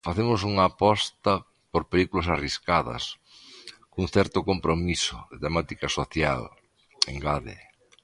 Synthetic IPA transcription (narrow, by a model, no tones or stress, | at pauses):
faθemʊsuŋɐːpɔst̪ɐ | poɾpelikulɐsariskaðɐ̰s | kuŋθɛɾt̪ʊkompɾomisʊðɪt̪emat̪ikɐsoθja̰l | eŋɡaðḛ